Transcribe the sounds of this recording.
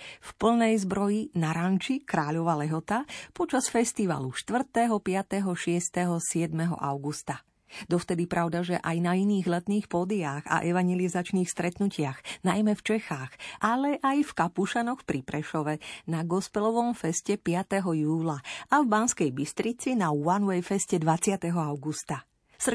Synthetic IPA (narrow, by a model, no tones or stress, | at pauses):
fpl̩nɛjzbɾɔjinaɾant͡ʃikɾaːʎɔʋalɛɦɔt̪apɔt͡ʃasfɛst̪iʋa̰luʃt̪ʋr̩t̪ɛɦɔpɪat̪ɛɦɔʃɪɛst̪ɛɦɔsɪɛd̪mɛɦɔ̰ʔaʊɡust̪a | d̪ɔft̪ɛd̪ipɾʔaʊd̪aʒɛʔajnainiːɣlɛt̪niːxpɔːd̪iaːɣa̰ʔɛʋaɲɛlizat͡ʃniːxst̪ɾɛt̪nucɪaɣnajmɛft͡ʃɛxaːxʔalɛʔajfkapuʃanɔxpɾipɾɛʃɔʋɛnaɡɔspɛlɔʋɔmfɛscɛpɪat̪ɛɦɔjuːlaavbanskɛjbist̪ɾit͡sinaanʋɛjfɛscɛd̪ʋat͡sɪat̪ɛɦɔaʊɡust̪a | sr